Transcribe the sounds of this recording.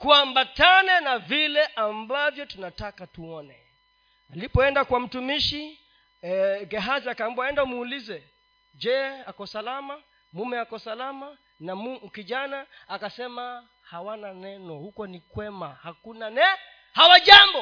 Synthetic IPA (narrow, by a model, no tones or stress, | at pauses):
kuambatanɛnavilɛʔambavjɔtunatakatuɔnɛ | alipɔɛndakwam̩tumiʃi | ɡɛɦaziakambɔaɛndaumuːlizɛ | d͡ʒɛakɔsalama | mumɛakɔsalama | namum̩kiʄanaːkasɛma | hawananɛnɔhukɔnikwɛmahakunanɛ | hawaʄambɔ